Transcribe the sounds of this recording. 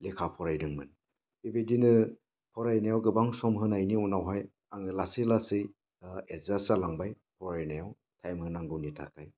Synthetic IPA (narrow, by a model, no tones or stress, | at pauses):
lekʰapʰɔɾajdɯŋmɯ̰n | ibedinɯ | pʰɔɾajnajawɡɯbaŋsɔmɦɯnajniunawɦaj | aŋɯlasilasij | ezasalaŋbaj | pʰɔɾajnajaw | tʰajmhɯnaŋɡɯwnitʰa̰kʰaj